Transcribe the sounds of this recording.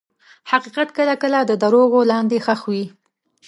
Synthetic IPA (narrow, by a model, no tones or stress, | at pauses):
haqiqat̪kəlakəlad̪əd̪aɾoɣolɑnd̪exəxwi